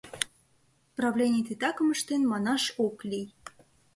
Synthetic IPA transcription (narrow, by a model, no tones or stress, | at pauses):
prɑvlʲenʲɪjt̪et̪ɑkəməʃt̪enmɑnɑʃoklʲij